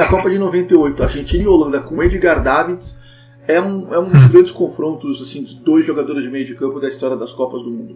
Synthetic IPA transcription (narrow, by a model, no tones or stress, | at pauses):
ɐkɔpɐd͡ʒɪnovẽnt̪ɪojt̪ʊaɾʒẽnt͡ʃĩnɪolɐ̃nd̪ɐkõed͡ʒɪɡaɾd̪avĩt̪s | ɛũɛũd̪ʊzɡɾɐ̃nd͡ʒɪ̥skõfɾõnt̪ʊzasĩd͡ʒɪd̪ojzʒoɡad̪oɾɪzd͡ʒɪmejʊd͡ʒɪkɐ̃mpʊd̪ɐist̪ɔɾjɐd̪ɐskɔpɐzd̪ʊmũnd̪ʊ